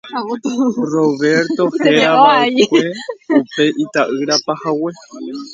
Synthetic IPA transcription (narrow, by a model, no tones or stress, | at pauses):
roβe̞ɾt̪o̞heɾaβaikʷeupe̞ʔit̪aʔɨɾapahawe